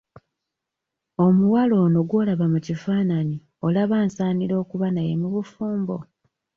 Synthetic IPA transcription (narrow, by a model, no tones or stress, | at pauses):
o̞muwalo̞ːno̞ɡwo̞laβamucifaːnani | o̞laβaːnsaːniɾo̞ːkuβanaje̞muβufuːmbo̞